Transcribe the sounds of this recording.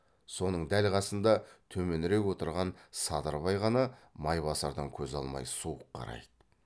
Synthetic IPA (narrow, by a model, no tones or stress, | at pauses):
so̞nəɴd̪ælqɑsənd̪ɑt̪ʰɵme̞nɾe̞kwo̞t̪əɾʁɑnsɑd̪əɾbɑjʁɑnɑmɑjβɑsɑɾd̪ɑŋkʲʰɵzɑlˠmɑ̰jsuəqʰːɑ̰ɾɑ̰jd̪ə